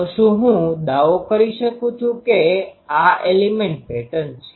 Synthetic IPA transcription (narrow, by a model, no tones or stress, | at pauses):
sũɦũd̪aʋokəɾiʃəkũt͡ʃʰũkeaʔelimẽɳʈ̚pɛʈənt͡ʃʰe̥